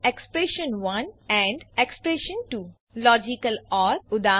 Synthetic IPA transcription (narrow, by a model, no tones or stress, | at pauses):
ekspɾeʃə̃nʋɐ̃nɛ̃ɳɖekspɾeʃə̃nʈuː | lɔːd͡ʒikəlɔːɾʊd̪aː